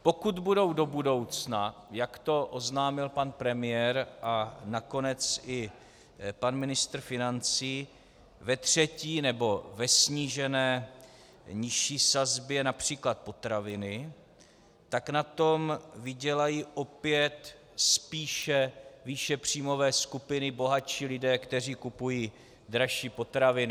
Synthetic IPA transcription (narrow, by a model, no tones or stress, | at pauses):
po̞kud̪budo̞wdo̞budo̞wt͡snajakt̪o̞ʔoznaːmɪlpanpɾɛmɪjɛɾʔanako̞nɛt͡sʔɪ | panmɪnɪst̪ɾ̩fɪnant͡siː | vɛt̪r̝̥ɛciːnɛbo̞vɛsɲiːʒɛnɛː | ɲɪʃiːsazbjɛnapr̝̥iːklat̪̚po̞t̪ɾavɪnɪ | t̪aknat̪o̞mvɪɟɛlajiːʔo̞pɪjɛt̪ | spiːʃɛviːʃɛpr̝̥iːmo̞vɛːskupɪnɪbo̞ɦat͡ʃiːlɪdɛːkt̪ɛr̝iːkupujiː | dɾaʃiːpo̞t̪ɾavɪnɪ